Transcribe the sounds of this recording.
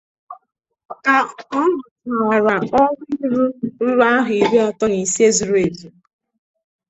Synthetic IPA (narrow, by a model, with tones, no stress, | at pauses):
ka˨ɔ˦nʊ˨ta˨a˨ɾa˨ɔ˦ɾɾu˦ɾʊ˦ɾa˦ɦʊ˨i˨ɾe˦a˨tɔ˦ni˨si˦e˦zu˨ɾu˦e˨di˨